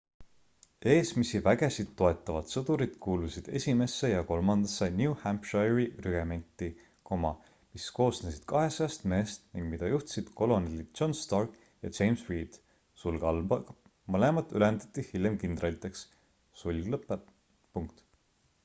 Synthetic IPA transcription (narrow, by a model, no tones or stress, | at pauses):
e̞ːsmisivæɡ̥e̞sid̪̥t̪ːo̞e̞t̪ːˑɑvɑd̪̥sɤd̪̥uɾid̪̥kuːlusid̪̥e̞̰sʲime̞sːe̞jɑko̞lmɑnd̪̥ɑsːenjuːhæmpʃɑriryɡ̥eme̞nʲt̪ːˑi | ko̞mɑ | misko̞ːsnesid̪̥kɑɦe̞sɑjɑst̪me̞ːst̪niŋɡ̥mid̪ɑjuht̪sid̪̥ko̞lo̞nelid̪̥t͡ʃo̞nst̪ɑrk | jɑ̰d͡ʒejmswiːd̪̥ | sulɡɑlbɑ | mɤle̞mɑt̪ːˑyle̞nd̪ɑ̥t̪ˑːihilʲjemkind̪rɑlʲit̪ːˑe̞ks | sulʲɡlɤpːˑe | puŋk̚t̪